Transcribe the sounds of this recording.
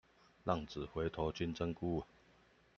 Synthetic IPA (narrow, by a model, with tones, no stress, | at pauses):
lɑ˥˨ŋt͡sɹ̩˨˩xwe˨˥ɪt̪ʰo˨˧˥t͡ɕy˥nt͡sə˥ŋku˥˨